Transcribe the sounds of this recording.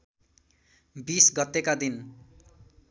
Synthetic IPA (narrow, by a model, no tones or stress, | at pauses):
bisɡʌt̪ːekad̪in